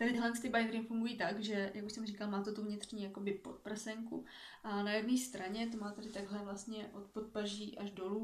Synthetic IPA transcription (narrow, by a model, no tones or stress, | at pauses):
t̪adɪt̪ɪɦlɛnst̪ɪbajɾɪmfuŋɡujiːt̪aɡʒɛjʔakuʃsɛmriːkalmaːt̪ot̪uvɲɪt̪r̝̥ɲiːjako̞bɪpo̞t̪̚pr̩sɛŋkṵ | ʔanajɛdniːst̪ɾaɲɛt̪omaːt̪adɪt̪aɡɦlɛvlast̪ɲɛʔo̞t̪pot̪̚paʒiːʔaʒdo̞luː